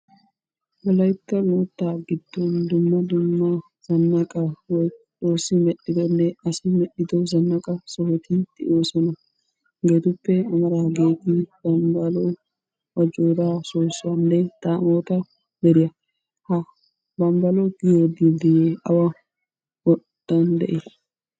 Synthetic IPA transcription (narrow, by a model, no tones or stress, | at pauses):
bɐlɐjt̪ːɐloːt̪ːaːɡɪd̪̥ːɔnd̪ʊmːɐd̪ʊmːɐ | z̥ɐnːɐkʼɐwɔjt͡ʃo̞ːsːɪmɛɗːɪd̪ɔnːɛɐsɪmɛɗɪd̪ɔzɐnːɐkʼɐsɔhɔt̪ɪt̪ɪʔoːsɔnɐ | ɡeːt̪ʊpːɛɐmɐɾaɡeːɡ̪ɪb̥ɐmbɐlɔ | wɐd͡ʒoːd̪asoːsʊɐnːɛt̪aːmoːt̪ɐ | d̪ɛɾɪjɐ | hɐ | bɐmbɐlɔɡɪjoːd̪ɪd̪ɪjeɐwɐ | wɔdːɐnd̪ɛ̰ʔɪ